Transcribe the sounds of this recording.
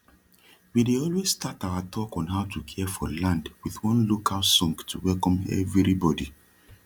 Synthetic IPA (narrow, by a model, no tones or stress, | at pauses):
wideɔlwez̥stataʊatʰɔkɔ̃nɦaʊtʰukʰɛfɔ̰lãndwiθwɔ̃nlokʰalsɔ̃ŋɡtʰuwɛlkɔ̃mɛ̰vɹɹibɔdi